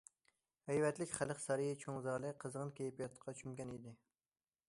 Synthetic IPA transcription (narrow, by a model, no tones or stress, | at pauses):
hæjvɛt̪lɪkʲχæləqsɑɾijit͡ʃʰoŋzɑːlˠɨqʰəzʁənkʲejipijɑt̪qʰɑt͡ʃʰymɡʲɛnid̪ɪ